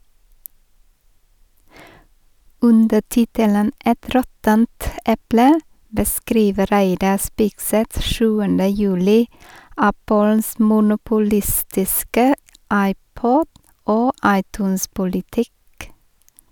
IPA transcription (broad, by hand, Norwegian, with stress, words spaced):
ˈʉndə ˈtɪtələn ˈɛt ˈɾɔtənt ˈɛplə bəˈskɾiːʋə ˈɾæɪdɑ ˈspɪɡsɛt ˈʃʉːəndə ˈjʉːlɪ ˈæpəls mʊnʊpʊˈlɪstɪskə ˈɑɪˌpɔd ˈoː ˈɑɪˌtʉːnspʊlɪˌtɪk